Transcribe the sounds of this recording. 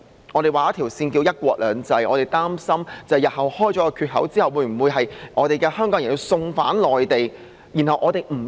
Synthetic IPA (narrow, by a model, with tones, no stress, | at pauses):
ŋɔː˨˧t̪e˨jwaː˨˩a˦˥t̪ʰi˨˩wsiː˧nki˧wjɐ˥t̚kʷɔː˧k̚lœː˨˧˥ŋt͡sɐ˧jʔɔː˨˧ɾe˨jt̪aː˥msɐ˥mt͡sɐ˨jɐ˨t̚hɐ˨˩whɔː˥jt͡ʃɔː˨˥kɔ˧kʰyː˧t̚ɦɐ˨˥wt͡siː˥hɐ˨wːuː˨˧˥m̩˨˩wuː˨˧jɦɐ˨jʔɔː˨˧ɾe˨jkɛː˧hœː˥ŋkɔː˨˥ŋjɐ˨˩nji˧wsʊ˧ŋfaː˨˥nlɔː˨jt̪e˨j | ji˨˩nhɐ˨wʔɔː˨˧t̪e˨jm̩˨˩